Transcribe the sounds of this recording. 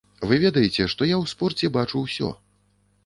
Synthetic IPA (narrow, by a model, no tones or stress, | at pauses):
vɨvʲɛd̪ɐjɛt͡sʲɛʂt̪ɔjawspɔrt͡sʲɛbat͡ʂuwsʲɔ̰